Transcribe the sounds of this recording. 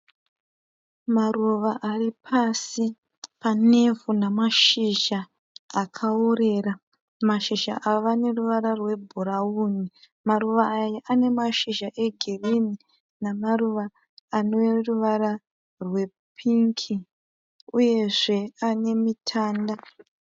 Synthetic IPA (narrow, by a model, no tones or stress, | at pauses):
maruʋaʔaripʰasi | pane̞vunamaʃiʒa | akʰaore̞ra | maʃiʒa̰ʔaʋane̞ruʋaɾarwe̞bʱuɾauni | maɾuʋaːjaʔane̞maʃiʒaʔe̞ɡʱerini | namaruʋaː | noruʋaɾa | rwe̞ | pʰiŋkʰi | uje̞ʐe̞ane̞mitʰaːnda